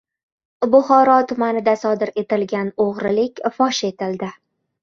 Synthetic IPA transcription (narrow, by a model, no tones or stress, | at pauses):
bʊχɒɾɒt̪ʰʊmanɪd̪asɒd̪ɪɾe̞t̪ɪlɡʲanoʁɾɪlɪkʲfɒʃe̞t̪ɪld̪ɪ